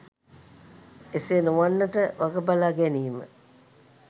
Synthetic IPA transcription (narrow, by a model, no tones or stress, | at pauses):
esenuʋanːəʈəʋaɡəbalaːɡɛniːmə̰